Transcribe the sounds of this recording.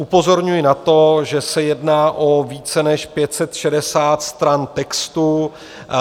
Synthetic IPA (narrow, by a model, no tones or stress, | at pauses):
ʔupo̞zo̞ɾɲujɪnat̪o̞ʒɛsɛjɛdnaːʔo̞viːt͡sɛnɛʃpjɛt̪sɛt̪ʃɛdɛsaːt̪st̪ɾant̪ɛkst̪u